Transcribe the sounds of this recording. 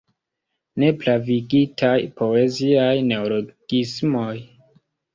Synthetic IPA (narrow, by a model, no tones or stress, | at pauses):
ne̞plaviɡitʰajpʰo̞e̞ziajne̞oloɡ̥ismo̞j